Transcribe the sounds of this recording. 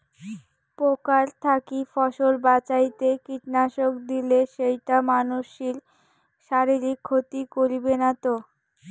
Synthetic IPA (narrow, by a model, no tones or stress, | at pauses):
pokaɾt̪ʰakifɔʃolbat͡ɕajt̪ekiʈnaʃokd̪ileʃejʈamanuʃːil | ʃaɾiɾikʰːot̪ikoɾibenat̪o